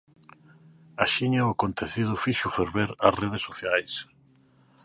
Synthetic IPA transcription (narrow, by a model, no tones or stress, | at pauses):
aʃiɲɐʊakont̪eθið̞ʊfiʃʊfeɾβeɾɐsreð̞esːoθjajs